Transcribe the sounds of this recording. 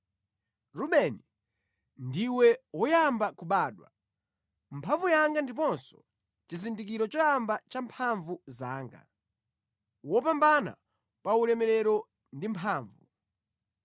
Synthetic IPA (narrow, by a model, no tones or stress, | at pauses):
ɾumɛni | ndiwɛwɔjambakuɓaːɗwa̰ | mpʰaɱvujaŋɡandip̬ɔnsɔ̥ | t͡ʃizindik̬iɾɔt͡ʃɔjambat͡ʃampʰaɱvuzaːŋɡa̰ | wɔp̬ambana̰ | paulɛmɛɾɛɾɔ | ndimpʰaːɱvu